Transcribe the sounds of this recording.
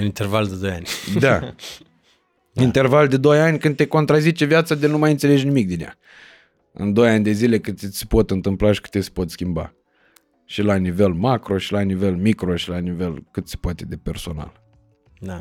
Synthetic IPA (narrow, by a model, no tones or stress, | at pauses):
ɨnint̪ervald̪ed̪o̞janʲd̪a | int̪e̞rvald̪e̞d̪o̞janʲkɨnd̪t̪eko̞nt̪ɾazit͡ʃevjat̪sad̪enumajɨnt̪sele̞d͡ʒʲnimik̚d̪ineja̰ | ɨ̰nd̪o̞janʲd̪e̞zile̞kɨnse̥po̞t̪ɨnt̪ɨmplaʃi̥kɨ̥t̪ese̥po̞t̪skʲimba̰ | ʃilanive̞lmakɾo̞ʃilanive̞lmikɾo̞ʃilanive̞lkɨt̪se̥poat̪e̞d̪e̞pe̞rso̞na̰l | d̪a